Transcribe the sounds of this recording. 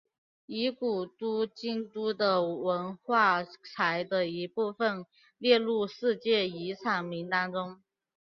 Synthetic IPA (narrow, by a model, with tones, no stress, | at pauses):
i˧˥ku˨˩t̪u˥t͡ɕi˥nt̪u˥d̪ə˨wə˧˥nxwa˥˩t͡sʰa˧˥ɪd̪ə˧i˧˥pu˥˩fə˨n | ljɛ˥˧lu˥˧ʂɻ̩˥˧t͡ɕjɛ˥˩i˧˥t͡sʰɑ˨˩ŋmi˧˥ŋt̪ɑ˥ŋʈ͡ʂʊ˥ŋ